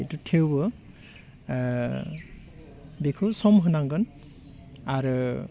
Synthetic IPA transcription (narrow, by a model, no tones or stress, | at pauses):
etutʰewbɔ | dekʰusɔmɦunaŋɡɔn | aɹu